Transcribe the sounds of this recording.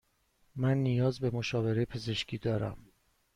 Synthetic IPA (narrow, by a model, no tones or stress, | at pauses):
mænːijɒːzbe̞mo̞ʃɒːve̞ɾejpʰe̞ze̞ʃcʰiːd̪ɒːɾæ̰m